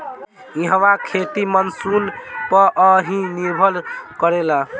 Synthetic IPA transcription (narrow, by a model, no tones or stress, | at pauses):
iɦəwakʰet̪imənsunpəʔəɦĩniɾbʱəlkəɾela